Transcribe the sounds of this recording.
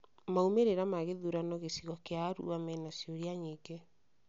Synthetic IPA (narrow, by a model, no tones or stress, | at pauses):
maumeɾeɾamaɣeðuɾanɔɣesiɣɔkeaɾṵamɛnasjoɾiaɲiɡɛ